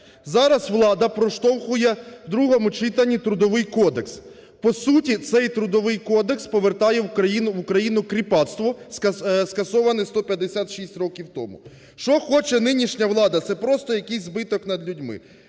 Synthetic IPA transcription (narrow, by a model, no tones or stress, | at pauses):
zɑɾɐzʋlˠɑd̪ɐpɾɔʃt̪ɔwxʊjɛd̪ɾuɦɔmʊt͡ʃɪt̪ɐnʲːit̪ɾʊd̪ɔʋɪjkɔd̪eks | pɔsutʲit̪sɛjt̪ɾʊd̪ɔʋɪjkɔd̪ekspɔʋert̪ɑjɛwkɾɐjinʊʋʊkɾɐjinʊkɾʲipɑt̪st̪ʋɔsskɐsɔʋɐnɪst̪ɔpʲjɐd̪esʲat̪ʃisʲtʲɾɔkʲiwt̪ɔmʊ̰ | ʃt͡ʃɔxɔt͡ʃɛnɪnʲiʃnʲɐʋlˠɑd̪ɐt̪sɛpɾɔst̪ɔjɐkɪjsʲzbɪt̪ɔkn̪ɐd̪lʲudʲmɪ̰